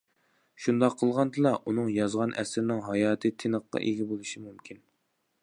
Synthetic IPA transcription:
ʃund̪ɑqʰːəlˠʁɑnd̪ɨlˠɑʔunɨŋjɑzʁɑnʔɛsɾnɪŋɦɑjɑːt̪ʰɨt̪ʰenəqːɑ̰ʔeɡʲibolˠɨʃimumkʲʰin

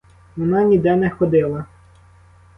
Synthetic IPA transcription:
ʋɔnɑnʲid̪ɛnɛxɔd̪ɪlˠɐ

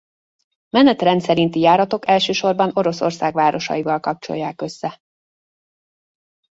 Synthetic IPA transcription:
mɛnɛt̪rɛnt̪sɛɾint̪ijaːɾɒt̪o̞kɛlʃøːʃo̞rbɒno̞ɾo̞so̞rsaːɡvaːɾo̞ʃɒ̰ivɒlkɒp̚t͡ʃo̞̰jːaːkø̞sːɛ

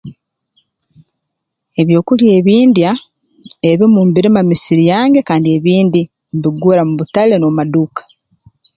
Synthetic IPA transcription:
e̞βjo̞ːkulje̞ːβiːndja | eβimumbiɾimamisiɾijaːŋɡe̞kaːndie̞βiːndi | mbiɡuɾamuβutale̞nomaduːkḁ

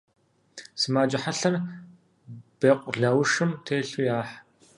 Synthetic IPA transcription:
sɨmaːd͡ʒʼɪħaɬɐr | b̥eːqʷʼʊɮɐwʂɨmtʰeːɬujaːħ

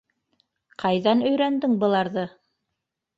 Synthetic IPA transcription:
qʰɑjðɑnɵ̆jɾænd̪ɘŋbɤ̆lˠɑɾðɤ

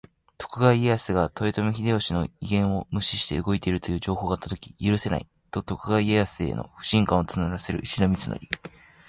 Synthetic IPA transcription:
t̪o̞̥kɯ̟ɡaiejasɨɡat̪o̞et̪o̞mʲiçʲid̪e̞oɕino̞iɡẽ̞ɰ̃o̞mɯ̟ɕi̥ɕi̥t̪e̞̰ɯɡo̞it̪e̞iɾɯ̟t̪o̞jɯ̟ːʑo̞ːɦo̞ːɡat̪ːat̪o̞kʲi̥jɯɾɯ̟se̞na̰i | t̪o̞t̪o̞kɯ̟ɡaiejasɨe̞̰no̞̰ɸɯ̟̥ɕĩŋkãɰ̃ot͡sɨnɯɾase̞ɾɯ̟̰iɕinomʲit͡sɨno̰ɾʲi

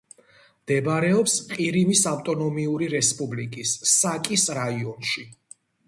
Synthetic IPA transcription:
md̪̥ɛbaɾɛɔpsqʼiɾimisaft̪ʼɔnɔmiuɾiɾɛspʼublikʼisːakʼisɾaiɔnʃi

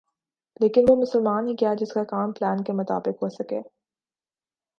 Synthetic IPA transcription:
leːkɪnʋomʊsəlmaːnɦikijad͡ʒɪskakaːmplɛːnkemʊt̪a̰ːbɪqɦosɐkeː

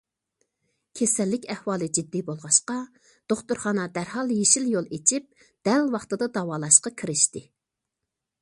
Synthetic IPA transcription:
kʲʰesɛlːɪkʲæhwɑːlˠɨd͡ʒid̪ːibolˠʁɑʃqɑ | d̪̥oχt̪uɾχɑnɑd̪æɾɦɑlˠjeʃiljolˠet͡ʃʰip̚ | d̪̥ælwɑχt̪ɨd̪ɑd̪ɑwɑːlˠɑʃqɑkʲʰiɾɪʃt̪ɪ

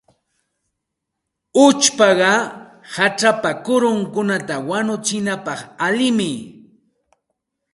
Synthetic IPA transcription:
ʊt͡ʃpɑɢɑhaʈ͡ʂapakʊɾʊŋkʊnat̪awanʊt͡ʃɪnapɑχalɪmɪ

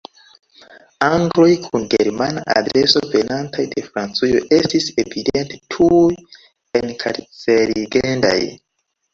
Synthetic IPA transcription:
aŋɡlo̞jkʰunɡe̞ɾmanaʔa̰dɾeso̞ve̞nantʰajde̞fɾant͡sujo̰ʔe̞stisevidentetʰu | enkʰaɾt͡seliɡenda̰j

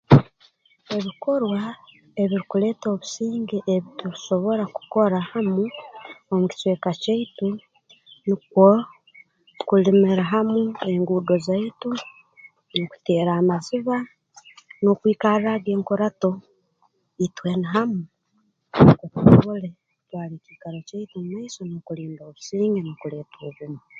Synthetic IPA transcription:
e̞βiko̞ɾwa | e̞βiɾikule̞ːto̞ːβusiːŋɡeʔeβituɾiso̞βo̞ɾaku̥ko̞ɾahamuomuci̥swe̞ːkaceitu | nikwo | kulimiɾaɦamue̞ŋɡuːdo̞zaitu | noku̥teːɾaːmaziβa | nokwiːkaraɡeːŋkoɾato̞ | itwenaɦamu | kotβole | kutwaːlecikaɾoceitumumaisonokuliːndoːβu̥siːŋɡenokuleːtoːβumu

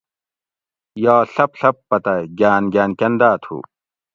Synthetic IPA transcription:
jaːɬɐpɬɐpːɐt̪ɐɡaːnɡaːnkɐnd̪aːt̪ʰṵː

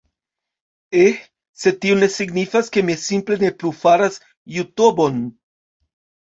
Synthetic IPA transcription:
e | se̞tione̞siɡnifaske̞misimple̞ne̞plufaɾas | jutobo̞n

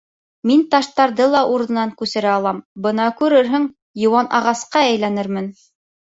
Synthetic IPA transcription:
mint̪ɑʃt̪ɑɾðɤlˠɑʔuɾɤ̆nɑŋkʉsɘ̆ɾæɑlˠɑmbɤnɑkʉɾɘɾɦɵŋ | jɤ̆wɑnʔɑ̰ʁɑsqɑæjlænɘɾmɘn

